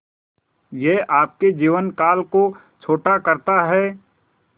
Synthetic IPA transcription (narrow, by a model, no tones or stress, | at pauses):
jeːʔaːp̚ked͡ʒiːʋənkaːlko | t͡ʃʰoːʈakɐɾt̪aɦɛː